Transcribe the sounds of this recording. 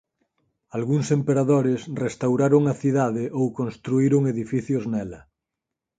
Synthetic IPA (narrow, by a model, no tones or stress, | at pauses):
alɣuŋsempeɾaðoɾesrest̪awɾaɾoŋaθiðaðeʔowkõnst̪ɾuiɾoŋeðifiθjoznɛlɐ